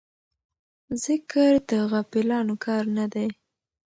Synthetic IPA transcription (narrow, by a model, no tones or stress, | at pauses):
zəkəɾd̪əɣapɪlɑnokʰɑɾnad̪aj